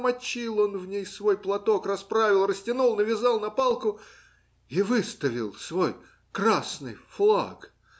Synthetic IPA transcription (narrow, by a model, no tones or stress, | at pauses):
mɐt͡ɕːilˠo̞nvnʲejsvo̞jplˠɐt̪o̞krɐspɾavʲɪlˠrəsʲtʲɪnulˠnəvʲɪzɑlˠnɐpalˠkʊ | ivɨst̪əvʲɪlˠsvo̞j | krasnɨjflˠa̰k